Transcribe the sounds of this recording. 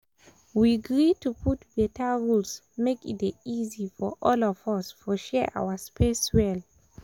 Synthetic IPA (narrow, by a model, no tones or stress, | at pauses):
wiɡɹitupʰutbɛtʰəɹuls | mekḭtizifɔʔɔlɔvasfɔʃɛʔa̰waspeswɛl